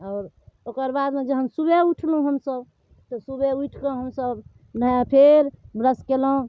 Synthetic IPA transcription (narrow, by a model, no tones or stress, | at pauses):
ɔʊɾ | okəɾbad̪med͡ʒəɦənsubeuʈʰlũɦəmsəb | t̪ɔsubeuʈʰkə̃ɦəmsəb | nəjapʰeɾbɾəskelũ